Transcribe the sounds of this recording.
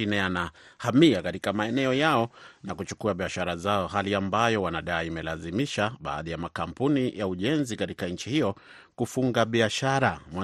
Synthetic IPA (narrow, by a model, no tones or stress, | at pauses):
inɛanahamiakatikamaɛnɛɔjaɔnakut͡ʃu̥kuaɓiaʃaɾazaɔɦaliambajɔwanaɗaːimɛlazimiʃaɓa̰ːðijamakampunijauʄɛnzikatikaɲ̩t͡ʃihijɔ | kufuŋɡaɓiaʃaɾama